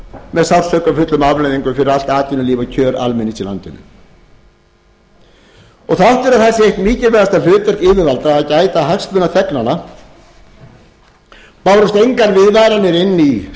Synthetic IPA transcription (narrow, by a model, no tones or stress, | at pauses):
mɛðsat̪œkafʏt̪lʏmavlajðiŋkʏfɪɾɪɾal̥t̪aːt̪ɪnʏliːvacʰœːɾa̰lmɛnːisʰɪla̰nt̪ɪnʏ̰ | ɔɣθaaht̪vɛɾaðθɛsːɪejhktnmiːcɪlvɛðast̪alʏːt̪ɛr̥kɪːvɪvalt̪aaðcaːjt̪aɦakst̪mʏnaθʰɛknana | paːwɾɔst̪ejŋkaɾvɪðvajɾanɪɾɪnːi